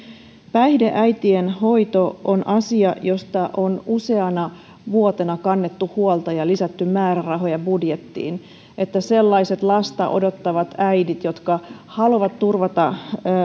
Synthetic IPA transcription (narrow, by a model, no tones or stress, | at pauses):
pæihde̞ʔæjt̪ienho̞it̪oonʔɑsiɑjo̞st̪ɑʔo̞nuse̞ɑnɑ | ʋuot̪e̞nɑkɑnːet̪ːuhuolt̪ɑjɑlisæt̪ːymmæːɾærɑɦo̞jɑbudjet̪ːḭːn | e̞t̪ːæse̞lːɑise̞t̪lɑst̪ɑ̰ʔo̞̰do̞t̪ːɑʋɑt̪æjdit̪jo̞t̪kɑhɑluʋɑt̪t̪urʋɑt̪ɑ